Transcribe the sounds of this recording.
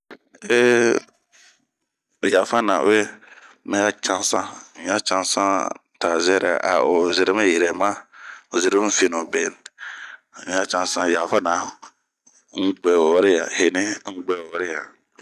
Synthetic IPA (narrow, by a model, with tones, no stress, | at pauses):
e˦˨ | ja˨fa˦nã̰˨˦e˦ | mɛ̃˦a˦t͡ʃã˦n˦sã̰˦˨m̩˨˦a˦t͡ʃã˦n˦sã˦˨˦ | ta˨zɛ˦ɾɛ̰˨a̰˨o˨zɪ˨ɾɪ˦m˦je˨ɾɛ˨mã˦o˨zɪ˨ɾm˦fi˨nu˨be˨n˨˦ | a˦t͡ʃã˨nsã˦ja˨fa˦nã˨ | ŋ̩˦ɡ͡bɛ˨wɾɪ˦ja̰˨he˨ni˦ŋ̩˦ɡ͡bɛ˨ɔ˦ɾɪ˦ja˨